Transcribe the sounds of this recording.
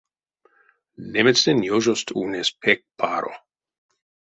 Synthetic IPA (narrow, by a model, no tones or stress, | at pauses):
nemɛsdenjoʒost̪ʰuːnespʰɛk̚pʰaːɾo̰